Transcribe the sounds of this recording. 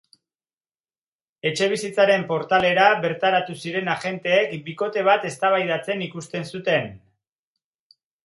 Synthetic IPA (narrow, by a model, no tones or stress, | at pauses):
e̞t͡ʃe̞β̞isit͡saɾe̞mpo̞ɾt̪ale̞ɾaβe̞ɾt̪aɾat̪usiɾe̞naʝe̞nt̪e̞ːkbiko̞t̪e̞β̞at̪e̞st̪aβajðat͡se̞nikust̪e̞nsut̪e̞n